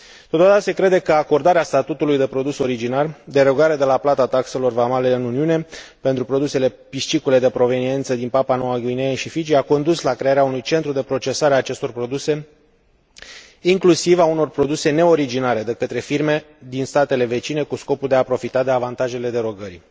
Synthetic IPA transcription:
t̪ot̪od̪at̪ase̞kɾe̞d̪e̞kəako̞rd̪aɾeast̪at̪ut̪ulujd̪e̞pɾo̞d̪uso̞ɾid͡ʒinard̪e̞ɾo̞ɡaɾe̞d̪e̞laplat̪at̪akse̞lo̞rvamale̞ɨnuniune̞pe̞nt̪ɾupɾo̞d̪use̞le̞piʃt͡ʃikule̞d̪e̞pɾo̞ve̞nie̞nt̪səd̪inpapanowaɡuineʃifid͡ʒiako̞nd̪uslakɾe̞aɾeaunujt͡ʃe̞nt̪ɾud̪e̞pɾo̞t͡ʃe̞saɾeaːt͡ʃe̞st̪o̞rpɾo̞d̪use̞ | iŋklusivauno̞rpɾo̞d̪use̞ne̞o̞ɾid͡ʒinaɾe̞d̪e̞kət̪ɾe̞firme̞ | d̪inst̪at̪e̞le̞ve̞t͡ʃine̞kusko̞puld̪e̞apɾo̞fit̪ad̪e̞avant̪aʒe̞le̞d̪e̞ɾo̞ɡəɾi

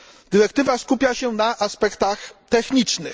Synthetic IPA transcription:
d̪ɘɾɛkt̪ɘvaskupʲjaɕɛnaʔaspɛkt̪axt̪ɛxɲit͡ʂnɘx

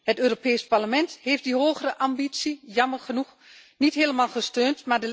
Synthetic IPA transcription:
hətøːropɛːsparləmɛntheːftdiɦoːɣərəʔambit͡sijɑmərχənux | nitɦeːləmalˠχəstøːntmadə

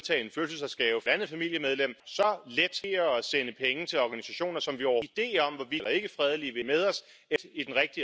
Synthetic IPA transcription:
t͡sʰɛ̰ːe̝nføːlsəl̩sɒsɡ̥ɛ̰ːʊfɒ̥ænð̩ˠfæmil̰jəmeð̞ˠlem̰sɒ̽led̥e̝ɐɒ̽senəpʰeŋət͡sʰe̝lɒɡ̥ænisæɕo̝̰ːnɐsɒ̽mʋiɒʊid̥e̝̰ːɒ̽m̰ʋɒʋilʔɐe̝ɡ̥əfʁɛð̞ˠəliʋe̝með̞ˠɒ̽s | ed̥id̥enʁɛɡ̥̚d̥i

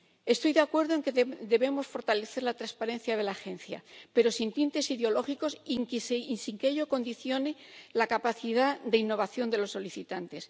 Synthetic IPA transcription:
e̞st̪o̞jðeakwe̞ɾðoeŋked̪e̞βe̞mo̞sfo̞ɾt̪ale̞θe̞ɾlat̪ɾaspaɾẽ̞n̟θjaðe̞laxe̞n̟θja̰pe̞ɾo̞sint̪int̪e̞siðeo̞lo̞xiko̞sŋkssiŋkeʎo̞ko̞nd̪iθjo̞nelakapaθiðad̪e̞inːo̞β̞aθjo̞nd̪elo̞sːo̞liθit̪ant̪e̞s

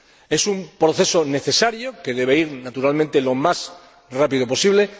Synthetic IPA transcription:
e̞sumpɾo̞θe̞so̞ne̞θe̞saɾjoke̞ð̞e̞βeiɾnat̪uɾalmẽnt̪e̞lo̞mas | rapiðopo̞siβ̞le̞

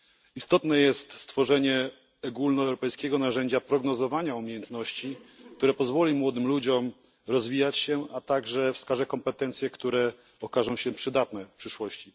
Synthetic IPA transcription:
ist̪ɔt̪nɛjɛst̪st̪fɔʐɛɲɛ | ɔɡulnɔɛwɾɔpɛjskʲɛɡɔnaʐɛɲd͡ʑapɾɔɡnɔzɔvaɲaumʲjejɛnt̪nɔɕt͡ɕikt̪uɾɛpɔzvɔlʲimwɔd̪ɘmlud͡ʑɔm | ɾɔzvʲijat͡ɕɕɛʔat̪aɡʐɛfskaʐɛkɔmpɛt̪ɛnt̪sʲjɛkt̪uɾɛ | ɔkaʐɔ̃w̃ɕɛpʂɘd̪at̪nɛfpʂɘʂwɔɕt͡ɕi

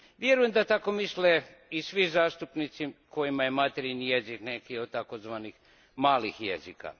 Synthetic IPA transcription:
ʋjeɾujemd̪at̪akomisle | isʋizaːst̪upnit̪siko̞jimajemat̪eɾinijeziknekiod̪̚t̪akozʋanix | maːlixjezika̰

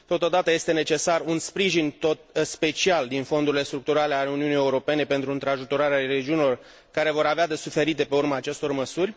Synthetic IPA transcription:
t̪o̞t̪od̪at̪əje̞st̪e̞ne̞t͡ʃe̞sarunspɾiʒint̪ot̪spe̞t͡ʃiald̪info̞nd̪uɾilest̪ɾuk̚t̪uɾale̞ale̞uniunije̞uɾo̞pe̞ne̞pe̞nt̪ɾuɨnt̪ɾeaʒut̪o̞ɾaɾeaɾed͡ʒiunilo̞r | kaɾe̞vo̞ɾavead̪e̞sufe̞ɾit̪e̞pe̞urmaːt͡ʃe̞st̪o̞rməsurʲ

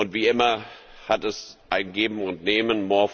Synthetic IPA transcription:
ʊntv̥iːʔɪmɐ | hatɛsʔaɪnɡeːbm̩ʊntneːmənmoːɐf

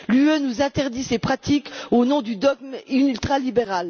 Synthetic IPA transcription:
lyønuzɛ̃t̪ɛʁd̪isepχat̪ikonɔ̃d̪yd̪ɔɡ̚mylt̪χalibeʁal

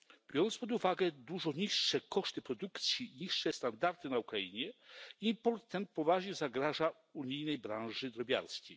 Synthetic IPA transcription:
b̥ʲjɔɾɔnspɔd̪uvaɡɛd̪uʐɔɲiʂːɛkɔʂt̪ɘpɾɔd̪ukt̪sʲjiɲiʂːɛst̪and̪aɾt̪ɘnaukɾaiɲɛiːpɔɾt̪ːɛnt̪̚pɔvaʐɲɛzaɡɾaʐa | uɲijnɛjbɾãñʐɘd̪ɾɔbʲa̰ɾskʲej

